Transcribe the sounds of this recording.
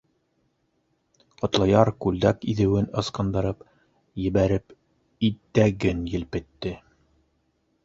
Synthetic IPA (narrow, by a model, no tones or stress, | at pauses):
qŏt̪lˠɑjɑɾkʉld̪ækiðɘ̆wɘnɤ̆sqɤ̆nd̪ɤ̆ɾɤp | jɘ̆βæɾɘp | it̪ːæɡɘnjɘ̆lpɘ̆t̪ːɘ